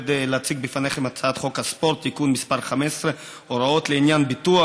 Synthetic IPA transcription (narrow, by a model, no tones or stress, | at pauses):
d̪eleat͡siɡ̚bifane̞χemat͡saat̪χo̞khaspo̞ʁt̪ːikunmispaʁχamessʁe | oɾao̞t̪leinjanbit̪ua